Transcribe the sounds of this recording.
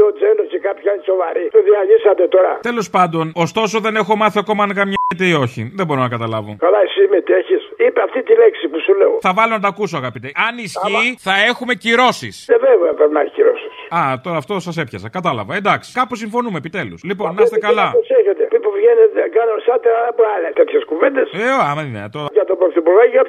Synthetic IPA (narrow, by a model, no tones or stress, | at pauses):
od͡zenocekapçaneso̞vɐɾit̪uðiɐʝisɐt̪et̪o̞ɾɐ̰t̪e̞lo̞spɐnd̪o̞no̞st̪o̞so̞ðe̞ne̞xo̞mɐθiɐko̞mɐnkɐmɲɐet̪eio̞çḭðebo̞ɾonɐkɐt̪ɐlɐvo̰kalaisimet̪eçisipeɐft̪it̪ileksipusuleoθɐvɐlonɐt̪ɐkusoɐɣɐpit̪eɐnisciθɐe̞xume̞ciɾo̞sḭseveveɐpɾepinɐçi̥ciɾosii̥ɐt̪o̞ɾɐːft̪o̞sɐsepçɐsɐkɐt̪ɐlɐ̰vɐend̪ɐksi̥kɐpusiɱfo̞numepit̪e̞luslipo̞nnːɐsst̪ekɐlɐoseçet̪epipuvʝenet̪ekɐnonsɐt̪eɐɐpoɐlet̪et̪çeskuvend̪eseoɐmenḛt̪oɾɐjɐt̪opɾokt̪ipuɾɣɐjiɐt